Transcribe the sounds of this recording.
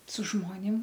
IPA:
sʊ ˈʒmoːnʲɪm

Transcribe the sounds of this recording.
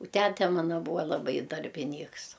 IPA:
ʊ ˈtʲætʲɛ ˈmɑːnɐ ˈbuːɐ lˠɐˈbɐɪ dɐrʲbʲɪˈnʲiːks

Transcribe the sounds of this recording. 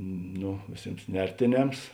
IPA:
ˈnoː ʋʲeːˈsʲeːms ˈnʲɛrʲtʲeːˌnʲɛms

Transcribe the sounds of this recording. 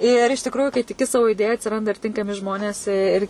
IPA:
ɪr ɪʃ tʲɪkˈruːjuː kɐɪ tʲɪˈkʲɪ ˈsɑːʋoː ɪˈdʲeːjɛ ɐtʲsʲɪˈrɐndɐ ɪr ˈtʲɪŋkɐmʲɪ ˈʒmoːnʲeːs ɪ ɪr

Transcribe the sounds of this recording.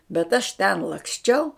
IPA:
bʲɛt ɐʃ ˈtʲɛn lˠɐksʲˈt͡ʃʲɛʊ

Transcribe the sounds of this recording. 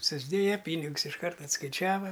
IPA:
sʊzʲˈdʲeːjɛ ˈpʲiːnʲɪɡʊs ɪʃˈkɐrt ɐtskɐɪˈt͡ʃʲæːʋɐ

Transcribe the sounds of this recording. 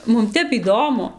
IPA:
ˈmʊm ˈtʲɛp iːˈdoːmʊ

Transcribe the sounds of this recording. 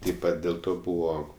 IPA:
tɐɪp ˈpɐt dʲeːlˠ ˈtoː ˈbuːʋoː

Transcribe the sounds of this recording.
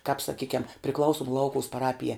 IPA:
kɑːp sɐˈkʲiːkʲɛm pʲrʲɪˈklˠɐʊsʊm ˈlˠɐʊkʊʊs pɐˈrɑːpʲɪjæː

